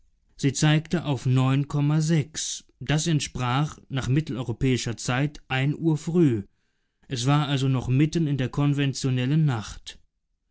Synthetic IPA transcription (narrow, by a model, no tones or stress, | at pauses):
z̥iːt͡saɪktəʔaʊfnɔʏnkʰɔmazɛks | d̥asɛntʃpʁ̥aːχnaːχmɪtl̩ɔʏʁopɛːɪʃɐt͡saɪtʔaɪnʔuːɐfʁ̥yː | ʔɛsv̥aːɐʔalzonɔχmɪtənɪndeːɐkʰɔnvɛnt͡sjonɛlənːaχt